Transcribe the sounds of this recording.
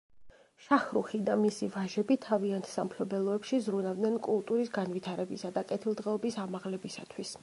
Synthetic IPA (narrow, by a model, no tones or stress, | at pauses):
ʃaχɾuχid̪amisivaʒɛbit̪ʰaviant̪ʰsampʰlɔbɛlˠɔɛpʃizɾunavd̪nɛnkʼulˠt̪ʼuɾisɡanvit̪ʰaɾɛbisad̪akʼɛt̪ʰilˠd̪ʁɛɔbisamaʁlɛbisa̰t̪ʰwis